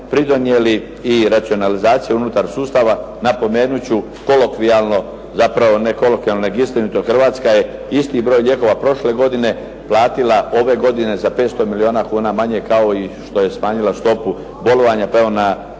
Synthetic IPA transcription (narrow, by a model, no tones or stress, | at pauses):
pɾid̪onjeliː | ɾat̪sio̞nalizaːt̪sijaunut̪aɾsuːst̪aʋa | napo̞me̞ːnut͡ɕu | ko̞lokʋialno̞ | zapɾaʋo̞ne̞ko̞lokʋialnoneɡist̪inut̪oxr̩ʋaːt̪skaje̞ist̪ibɾo̞ːjlʎʲje̞ko̞ʋapɾo̞ʃle̞ɡo̞d̪ine̞ | plˠaːt̪ilao̞ʋe̞ɡo̞d̪ine̞zape̞ːt̪st̪o̞milio̞ːnakuːnamaɲe̞kaoiʃt̪o̞je̞smaːɲilast̪o̞pu | bo̞lo̞ʋaɲapeʋona